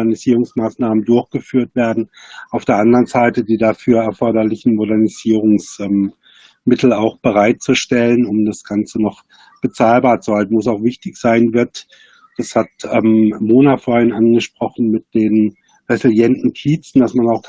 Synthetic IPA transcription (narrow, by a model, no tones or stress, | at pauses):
ɛɐniziːʁ̞ʊŋsmaːsnaːməndʊɐçɡ̥əfyːɐtv̥eːɐdn̩ʔaʊfd̥eːɐʔandəʁənzaɪtədiːdafyːɐɛɐfɔɐdɐlɪçn̩modɛɐniz̥iːʁʊŋsʔɛm | mɪtʰl̩aʊxb̥əʁaɪt̚t͡suʃtɛlənʊmdasɡ̥ant͡sənɔχ | b̥ət͡saːlbaːɐt͡suhaltn̩vʊs̬aʊxv̥ɪçtɪçz̥aɪnvɪɐt | d̥ashatʔɛmmoːnafoːɐhɪnʔanɡəʃpʁ̥ɔχn̩mɪt̚d̥eːn | ʁɛzɪljɛntn̩kʰiːt͡sn̩d̥asmanaʊx